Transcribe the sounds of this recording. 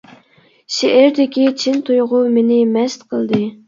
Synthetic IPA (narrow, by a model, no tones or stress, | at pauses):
ʃeʔeɾd̪ɪkʲit͡ʃʰint̪ʰujʁʊmenɪmɛst̪qʰəlˠd̪ɨ